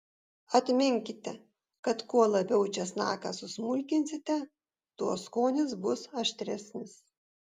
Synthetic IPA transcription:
ɐt̪ʲmʲɪŋʲkʲɪt̪ʲɛ | kɐt̪kuɔlˠɐbʲɛʊt͡ʃʲɛsnɑ̰ːkɑsʊsmʊlʲkʲɪnʲsʲɪt̪ʲɛ | t̪uɔskoːnʲɪsbʊsɐʃʲt̪ʲɾʲɛsʲnʲɪs

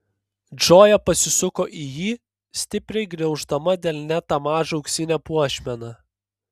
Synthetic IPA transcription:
d͡ʒoːjɛpɐsʲɪsʊkoːʔiːjiː | sʲt̪ʲɪpʲɾʲɛɪɡɾʲɛʊʒd̪ɐmɐd̪ʲɛːlʲnʲæt̪ɐmɑːʒɐʊksʲɪnʲɛpuɔʃʲmʲɛnɑː

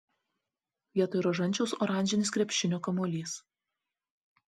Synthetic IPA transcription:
iɛt̪oɪɾɐʒɐnʲt͡ʃʲɛʊsɔɾɑˑnʲd͡ʒʲɪnʲɪskɾʲɛpʲʃʲɪnʲoːkɐmoːlʲiːs

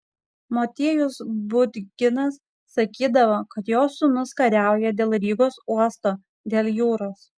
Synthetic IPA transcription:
moːt̪ʲiɛjʊsbʊd̪ʲɡʲɪnɐsː | ɐkʲiːd̪ɐʋoːkɐt̪joːsːʊnʊskɐɾʲæˑʊjɛd̪ʲeːlˠɾʲiːɡoːsuɔst̪oː | d̪ʲeːlʲˠjuːɾoːs

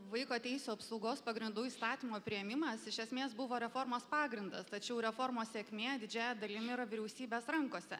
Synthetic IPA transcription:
ʋɐɪkoːt̪ʲɛɪsʲuːɐpsɐʊɡoːspɐɡɾʲɪnd̪uːiːst̪ɑːt̪ʲiːmoːpʲɾʲɪjɛmʲɪmɐsɪʃʲɛsʲmʲeːsbʊʋoːɾʲɛfoːɾmoːspɑːɡɾʲɪnd̪ɐst̪ɐt͡ʃʲɛʊɾʲɛfoːɾmoːssʲeːkʲmʲeːɐd̪ʲɪd͡ʒʲæːjɛd̪ɐlʲɪmʲɪɾɐʋʲɪɾʲɛʊsʲiːbʲeːsɾɐŋkoːsʲɛ̰

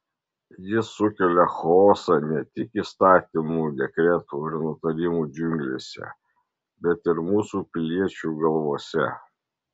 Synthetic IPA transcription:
jɪsʊkʲɛlʲɛxoːsɑnʲɛt̪ʲɪkiːˑst̪ɑːt̪ʲimuːd̪ʲɛkɾʲɛt̪uːɪɾnʊt̪ɐɾʲɪmuːd͡ʒʲʊŋʲɡlʲḛsʲɛ̰ | bʲɛt̪ɪɾmuːsuːpʲɪlʲiɛt͡ʃʲuːˑɡɐlˠʋoːsʲɛ̰

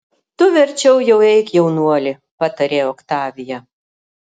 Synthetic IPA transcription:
t̪ʊʋʲɛɾʲt͡ʃʲɛʊjɛʊɛɪkjɛʊnuɔlʲɪ | pɑt̪ɐɾʲeːɔkt̪ɑːʋʲɪjɛ

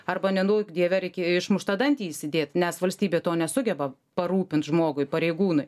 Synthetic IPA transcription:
ɐrbɐnʲɛnuːkd̪ʲiɛʋʲɛɾʲɛɪkʲeɪʃmʊʃt̪ɐd̪ɐnʲt̪ʲiːisʲɪd̪ʲeːt̪nʲɛsʋɐlʲsʲt̪ʲiːbʲeːt̪oːnʲɛsʊɡʲɛbɐ | pɐɾuːpʲɪnt̪ʒmoːɡʊɪpɐɾʲɛɪɡuːnʊɪj

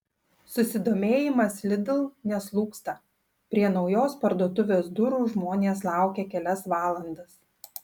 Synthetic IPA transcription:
sʊsʲɪd̪oːmʲeːjɪmɐslʲɪd̪ʲɪlˠnʲɛslˠuːkst̪ɐ | pʲɾʲiɛnɒʊjoːspɐɾd̪uɔt̪ʊʋʲeːsd̪ʊɾuːʒmoːnʲeːslˠɑˑʊkʲɛkʲɛlʲɛsʋɑːlˠɐnd̪ɐs

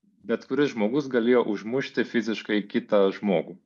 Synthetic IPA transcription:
bʲɛt̪kʊɾʲɪsʒmoːɡʊsɡɐlʲeːjoːʔʊʒmʊʃʲt̪ʲɪfʲɪzʲɪʃkɐɪkʲɪt̪ɐʒmoːɡuː

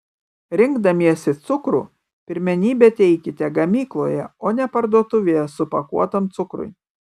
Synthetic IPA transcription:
ɾʲɪŋɡd̪ɐmʲiɛsʲɪt̪sʊkɾṵː | pʲɪɾʲmʲɛnʲiːbʲɛt̪ʲɛɪkʲɪt̪ʲɛɡɐmʲiːklˠo̰ːjɛoːnʲɛpɐɾd̪uɔt̪ʊʋʲejɛsʊpɐkṵɔt̪oːmt̪sʊkɾʊ̰ɪ

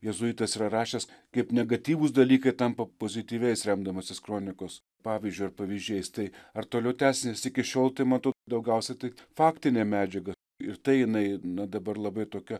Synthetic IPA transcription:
jɛzʊiːt̪ɐsiɾɐɾɑːʃʲɛskɐɪpnʲɛɡɐt̪ʲiːʋʊs̬d̪ɐlʲiːkɐɪt̪ɐmpɐpoːzʲɪt̪ʲiːʋʲɛɪsɾʲɛmd̪ɐmoːsʲɪskɾoːnʲɪkoːs | pɑːʋʲizʲd͡ʒʲʊɪɐrpɐʋʲɪzʲd͡ʒʲɛɪst̪ɐɪɐrt̪oːlʲɛʊt̪ʲæːsʲɪnʲesɪkʲɪʃʲoːlˠt̪ɐɪmɐnt̪oːd̪ɐʊɡʲɛʊsʲɛt̪ɐɪfɑːkt̪ʲɪnʲeːmʲæːd͡ʒʲɛɡɐ | ɪrt̪ɐɪjɪnɐɪnɐd̪ɐbɐrlˠɐbɐɪt̪oːkʲɛ

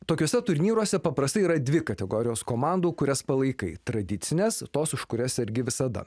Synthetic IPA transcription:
t̪oːkʲoːsʲɛt̪ʊɾʲnʲiːɾoːsʲɛpɐpɾɐst̪ɐɪiɾɐd̪ʲʋʲɪkɐt̪ʲɛɡoːɾʲɪjoːskoːmɑˑnd̪uːkʊɾʲɛspɐlˠɐɪkɐɪt̪ɾɐd̪ʲɪt̪sʲɪnʲeːst̪oːsɪʃkʊɾʲɛsɪɾʲɡʲɪʋʲɪsɐd̪ɐ̰

